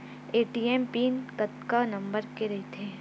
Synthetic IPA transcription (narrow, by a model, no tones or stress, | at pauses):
eːʈiːɛːmpiːnkɐt̪kanɐ̃mbəɾkeɾɐɦet̪ʰeː